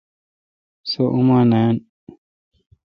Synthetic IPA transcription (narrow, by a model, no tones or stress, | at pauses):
soʔumanajan